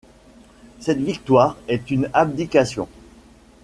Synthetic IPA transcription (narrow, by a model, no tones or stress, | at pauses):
sɛt̪vikt̪waːʁɛt̪ynab̚d̪ikasjɔ̰̃